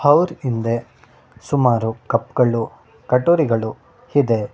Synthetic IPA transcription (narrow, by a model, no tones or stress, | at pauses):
hɐwɾind̪e | sumaːɾukɐpːɡɐɭu | kɐʈːoːɾiɡɐɭu | hid̪e